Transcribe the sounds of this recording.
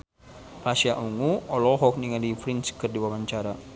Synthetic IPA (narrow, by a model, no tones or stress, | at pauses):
pasiaʔuŋuɔlɔɦɔk̚niŋadifɾinskərdiwawaɲt͡ʃaɾa